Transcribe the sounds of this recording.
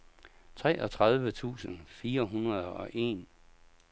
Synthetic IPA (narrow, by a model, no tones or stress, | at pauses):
t͡sʰʁɛ̰ːʔɒt͡sʰʁað̞ˠʋət͡sʰṵːsənfiːɐɦunɐðˠɒ̽ʔe̝̰ːn